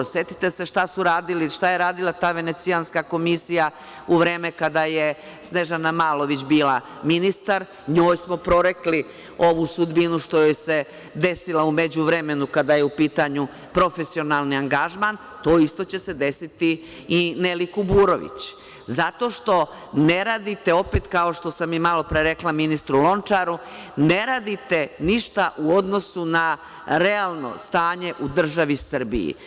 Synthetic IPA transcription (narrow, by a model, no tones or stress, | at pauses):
set̪i̥t̪ese̞ʃt̪asuɾaːd̪iliʃt̪ajeɾaːd̪ilˠat̪aːʋe̞ne̞t̪sijanskako̞misija | uʋɾe̞ːmekad̪aje | sneʒanamaːlo̞ʋit͡ɕbiːla | minist̪aɾ | ɲo̞ːjsmo̞pɾo̞ɾekli | o̞ʋusud̪binuʃt̪ojojese̞ | d̪e̞silˠaume̞d͡ʑuʋɾeme̞nukad̪aje̞upiːt̪aɲu | pɾo̞fesio̞nalˠniaŋɡaʒman | t̪o̞ːist̪o̞t͡ɕe̞se̞d̪e̞sit̪i | inelikubuːɾo̞ʋḭt͡ɕ | zat̪o̞ʃt̪o̞ | ne̞ɾaːd̪it̪e̞o̞peːt̪kao̞ʃt̪o̞samimalo̞pɾeɾeklˠaminist̪ɾulo̞nt͡ʃaɾuneɾaːd̪it̪e̞niʃt̪aʔuo̞d̪no̞suna | ɾealˠno̞̰st̪aːɲe̞ʔud̪r̩ʒaʋisr̩bḭjḭ